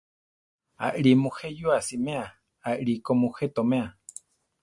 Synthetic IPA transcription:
a̰ʔɺimũhejuasimẽa | aʔɺikomuhet̪omẽa

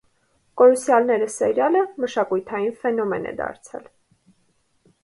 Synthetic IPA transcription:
kɔɾusjɑlnɛɾəsɛɾjɑləməʃɑkujt̪ʰɑjinfɛnɔmɛnɛ̰d̪ɑ̰ɾt͡sʰɛ̰l

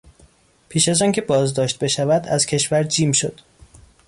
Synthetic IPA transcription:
pʰiːʃæzɒːŋcʰe̞bɒːzd̪ɒːʃt̪̚be̞ʃævæd̪æz̥cʲʰe̞ʃvæɾd͡ʒiːmʃod̪̥

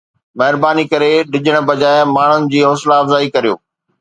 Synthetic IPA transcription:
mɐɦɪɾbaːnikɐɾeɗɪʄəɽ̃̆bɐd͡ʑaːɪmaːɳ̤ʊnɪ̆d͡ʑiːɦoːslaːfzaːikɐɾijo̰ː

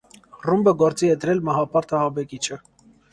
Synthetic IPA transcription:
rumbəɡɔɾt͡siɛd̪əɾɛlmɑɦɑpɑɾt̪ɑɦɑbɛkit͡ʃʰə

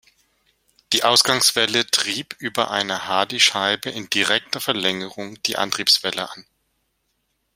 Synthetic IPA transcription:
d̥iːʔaʊsɡ̥aŋsv̥ɛlətʁ̥iːpʔyːbɐʔa̰ɪnɐhaːdiʃaɪbəʔɪndiʁɛk̚tɐfɛɐlɛŋəʁʊŋd̥iːʔa̰ntʁ̥iːpsv̥ɛlə̰ʔan

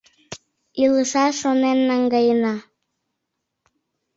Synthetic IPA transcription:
ilˠəʃɑʃonenːaŋɡajənɑ

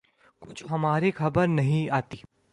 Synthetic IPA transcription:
kʊt͡ʃʰɦɐmaːɾixʰɐbəɾnɐɦĩaːt̪iː

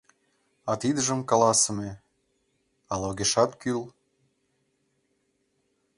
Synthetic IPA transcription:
ɑt̪id̪əʒəmkɑlɑsə̆me | ɑloɣeʃɑt̪kyl

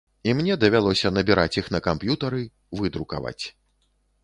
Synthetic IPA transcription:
imnʲɛd̪ɐvʲalˠɔsʲɐnɐbʲiɾat͡sʲixnɐkampjut̪ɐɾɨ | vɨd̪ɾuka̰va̰t͡sʲ

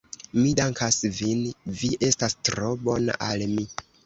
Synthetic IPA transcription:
midaŋkʰasvinviʔe̞stastɾo̞bo̞na̰ʔalmi

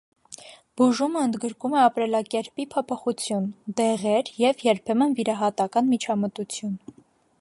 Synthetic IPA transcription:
b̥uʒuməənd̪ɡəɾkumɛɑpɾɛlɑkɛɾpipʰɔpʰɔχut͡sʰjund̪ɛʁɛɾjɛvjɛɾpʰɛmənviɾɑɦɑt̪ɑkɑnmit͡ʃʰɑmət̪ut͡sʰjun

